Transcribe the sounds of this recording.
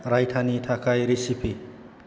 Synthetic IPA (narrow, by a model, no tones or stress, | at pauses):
ɾajtʰanitʰakajɾisipʰi